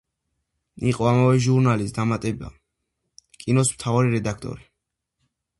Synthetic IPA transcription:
iqʼɔamavɛʒuɾnalisd̪amat̪ʼɛba̰ | kʼinɔsmt̪ʰavaɾiɾɛd̪akʰt̪ʼɔ̰ɾi

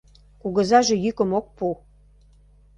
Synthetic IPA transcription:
kuɣə̆zɑʒe̽jykə̆mok̚pu

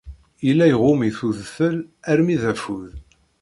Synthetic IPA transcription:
ilːæjəʁʊmiθuðfəlæɾmiðæfuð

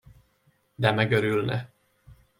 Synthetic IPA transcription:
d̪ɛmɛɡøɾylnɛ

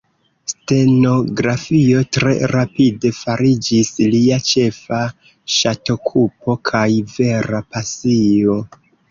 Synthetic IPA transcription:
ste̞no̞ɡɾafio̞tɾe̞̰ɾapide̞faɾid͡ʒisliat͡ʃe̞fa | ʃato̞kʰupo̞kʰajve̞ɾapasio̞

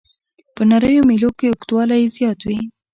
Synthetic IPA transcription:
pənaɾəjomilokeʊkt̪wɑlajzjɑt̪wi

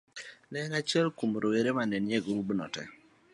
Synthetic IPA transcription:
lɛŋat͡ʃɛlkumɾoweɾemanɛnjɛɡɾubnɔ̰tɛ̰

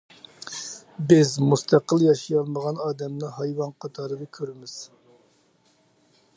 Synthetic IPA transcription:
bɪzmust̪ʰæqəlˠjɑʃijɑlˠməʁɑnɑːd̪ɛmnɨhɑjwɑnqʰɑt̪ʰɑːɾɨd̪ɑkʲʰøɾɪmɪz̥

